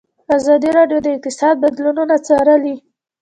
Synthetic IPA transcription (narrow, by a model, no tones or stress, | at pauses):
azɑd̪iɾɑɖjod̪əɪk̚t̪ɪsɑd̪̚bad̪lununat͡sɑɾəli